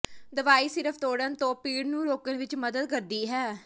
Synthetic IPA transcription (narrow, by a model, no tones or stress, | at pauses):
d̪əʋaːiːsɪɾəpʰt̪oːɽənt̪õːpiːɽnũːɾoːkənʋɪt͡ʃməd̪əd̪̚kəɾd̪iːɦɛː